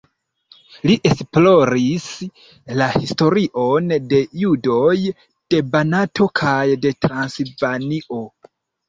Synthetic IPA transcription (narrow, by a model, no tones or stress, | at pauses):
liʔe̞splo̞ɾis | lahisto̞ɾiʔo̞nde̞judo̞j | d̥e̞banatʰo̞kʰajde̞tɾansilvaniʔo̞